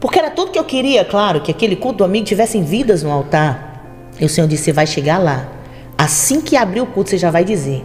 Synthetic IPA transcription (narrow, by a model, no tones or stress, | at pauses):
poɾkeɛɾɐt̪ud̪ʊkɪewkɪɾiɐklaɾʊkɪakelɪkut̪ʊd̪ʊamiɡʊt͡ʃivɛsẽj̃vid̪ɐznʊawt̪aɾ | iʊsẽɲoɾd͡ʒisɪevajʃeɡala | asĩkɪabɾiʊkut̪ʊ̥seʒavajd͡ʒize